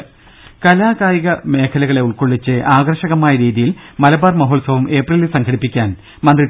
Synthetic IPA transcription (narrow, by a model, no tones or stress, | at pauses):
kɐlaːɣaːjiɣɐme̞ːkʰɐlɐɣɐɭe̞uɭkoɭːit͡ɕːɨʔaːɡrɐʂɐɣɐmaːjɐɾiːðijilmɐlɐbaːrmɐɦoːɭsɐʋɐme̞ːprɐlisɐŋkʰɐɽipːikʲːaːn | mɐnd̪ri